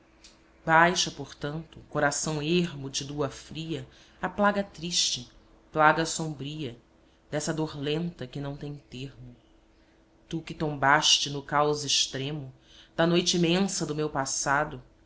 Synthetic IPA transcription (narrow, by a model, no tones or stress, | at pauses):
bajʃɐpoɾt̪ɐ̃nt̪ʊkoɾasɐ̃w̃eɾmʊd͡ʒɪd̪uɐfɾiɐ | aplaɡɐt̪ɾiʃt͡ʃɪ | plaɡɐsõbɾiɐ | d̪ɛsɐd̪oɾlẽnt̪ɐkɪnɐ̃w̃t̪ẽj̃t̪eɾmʊ | t̪ukɪt̪õbaʃt͡ʃɪnʊkawzɪʃt̪ɾẽmʊ | d̪̥ɐnojt͡ʃɪimẽsɐd̪ʊmewpasad̪ʊ